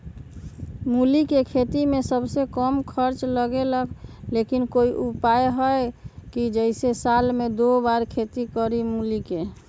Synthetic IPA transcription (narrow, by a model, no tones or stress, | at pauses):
mulikekʰet̪imesəbsekəmkʰəɾt͡ʃləɡeləkʰlekinkoiʔupaeɦəkid͡ʒəɪsesalmed̪obaɾkʰet̪ikəɾimulike